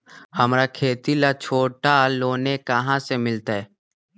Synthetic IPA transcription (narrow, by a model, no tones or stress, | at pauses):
həmɾakʰeːt̪ilat͡ʃʰoːʈaloːnekəɦãsemɪlt̪aɦɛ